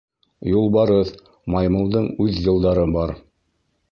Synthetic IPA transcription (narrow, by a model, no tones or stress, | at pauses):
julˠbɑɾɤð | mɑjmɤ̆lˠd̪ɤɴʉðjɤ̆lˠd̪ɑɾɤbɑɾ